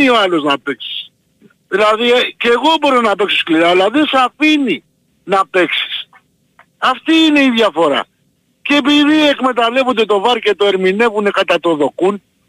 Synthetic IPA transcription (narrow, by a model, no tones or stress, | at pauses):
io̞ɐlo̞znɐpe̞ksi̥s | ðilɐðiceːɣo̞bo̞ɾionɐpe̞ksoskliɾɐlɐðesɐfini | nɐpe̞ksi̥s | ɐft̪iːne̞iðʝɐfo̞ɾɐ̰ | ceːpiðie̞kme̞t̪ɐle̞vond̪e̞t̪o̞vɐɾcet̪o̞eɾmine̞vune̞kɐt̪ɐt̪o̞ðo̞kun